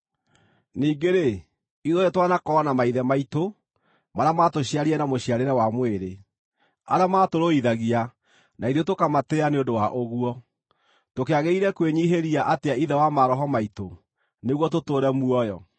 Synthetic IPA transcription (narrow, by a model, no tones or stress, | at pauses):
niːɡeɾe | iðoɾetwanakɔnamaiðɛmaito | maɾamatoɕiaɾiɛnamoɕiaɾeɾɛwamweɾe | a̰ɾamatoɾoiðaɣia | naiðotokamatɛaneondowaʔoɣuɔ | tokeaɣeiɾɛkweɲiɦeɾiaʔateaiðɛwamaɾɔɦɔmaito | neɣwɔtotoːɾɛmuɔjɔ